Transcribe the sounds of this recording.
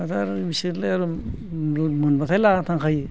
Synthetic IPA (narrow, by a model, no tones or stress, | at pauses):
atʰaɾbisilajaɾu | mɯnbatʰajlatʰaŋkʰaj